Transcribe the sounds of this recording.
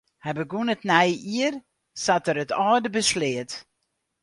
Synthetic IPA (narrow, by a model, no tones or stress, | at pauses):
hɛbəɡunətnɛjiər | satəɾətɑːdəbəslɪət